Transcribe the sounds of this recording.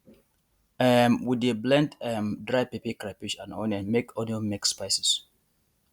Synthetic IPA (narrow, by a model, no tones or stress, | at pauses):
ɛmwideblɛ̃ntɛmdɹajpipikɹapid͡ʒãnɔ̰̃nə̃nmekʰɔ̃nomekspaɪsis